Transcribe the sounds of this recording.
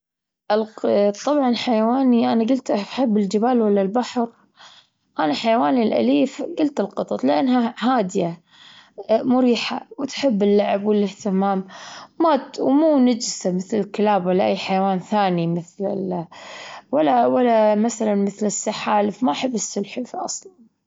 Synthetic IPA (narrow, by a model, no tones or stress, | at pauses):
ʔɪlt̪ˤːɑbʕɑnħajawaːniʔanaɡʊlt̪ʔaħɪbːɪld͡ʒɪbaːlwalːalbaħɾ | ʔanaħajawaːnilʔa̰liːfɡʊlt̪ɪlqɨt̪ˤɑt̪ˤlɪʔanːɦahaːd̪ɪja | mʊɾiːħa̰wt̪ħɪbːɪlːaʕɪbwɪlːɪht̪ɪmaːmmaːt̪wmuːnad͡ʒsamɪθlɪlkɪlaːbwalːaʔajːħajawaːnθaːnimɪθlɪ̰l | walːawalːamaθalanmɪθlɪsːaħaːlɪfmaʔaħɪbːɪsːʊlħɪfiʔɑ̰sˤlɑn